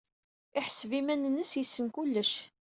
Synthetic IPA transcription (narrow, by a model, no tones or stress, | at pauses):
ɪħəsvimænnəsjəsːənkulːəʃ